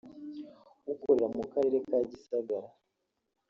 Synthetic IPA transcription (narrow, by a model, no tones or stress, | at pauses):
ukoɾeɾamukaɾe̞ɾe̞kaɟisaɡaɾa